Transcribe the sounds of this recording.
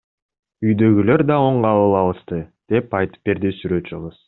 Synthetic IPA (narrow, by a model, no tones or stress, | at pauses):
yjd̪ø̞ɡʲylø̞ɾd̪ɑo̞ɴʁɑlˠɯlˠɑlˠɯʃt̪ɯd̪̥e̞pɑjt̪ɯ̥p̚be̞ɾd̪isyɾø̞t̪t͡ʃɯʁəz̥